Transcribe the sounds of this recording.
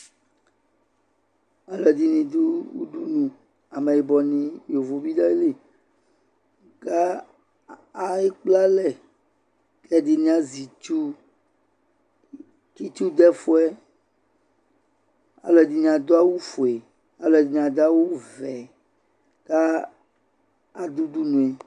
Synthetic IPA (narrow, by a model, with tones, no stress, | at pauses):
a˨lɔ˨ɛ˨d̪i˦nĩ˨d̪u˦wṵ˦ɖu˦nũ˨ | a˨mɛ̃˨je˨bɔ˨nĩ˨jo˨vo˨bi˦da˦e˦le˦ | ɡa˦ | a˦e˦k͡pla˦lɛ˨ | lɛ˦d̪i˨nĩ˦a˨zi˨t͡ʃu˦ | ki˦t͡ʃu˦d̪ɛ˦fo˦ɛ˦ | a̰˨lɔ˨ɛ˨d̪i˦nĩ˨a˨d̪o˦a˦wu˦fo˨e˨ | a˨lɔ˨ɛ˨di˦nĩ˨ã˨d̪a˦wu˦vɛ˨ | ɡ̥a˦ | a˨d̪u˦d̪u˦nũ˨e˨